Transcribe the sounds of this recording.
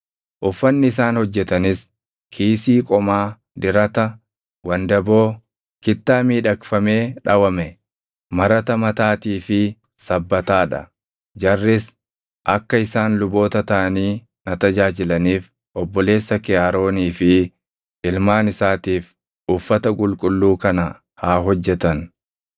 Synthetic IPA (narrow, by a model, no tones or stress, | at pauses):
ʔʊfːɐnːɪɪs̬aːnhɔd͡ʒːɛt̪ɐnɪs | kʰiːsiːkʼɔmaː | d̪ɪɾɐt̪ɐ | wɐnd̪ɐbo̞ː | kɪt̪ːaːmiːᶑɐkfɐme̞ːᶑɐwɐmɛ | mɐɾɐt̪ɐmɐt̪aːt̪iːfɪ | sɐbːɐt̪aːᶑɐ̰ | d͡ʒɐrːɪs | ʔɐkːɐɪsaːnlʊbo̞ːt̪ɐt̪ɐʔɐniː | nɐt̪ɐd͡ʒaːd͡ʒɪlɐniːf | ʔɔbːɔle̞ːsːɐkɪjaːɾo̞ːniːfɪ | ʔɪlmaːnɪsaːt̪iːf | ʔʊfːɐt̪ɐkʼʊlkʼʊlːuːkɐnɐ | haːɦɔd͡ʒːɛt̪ɐn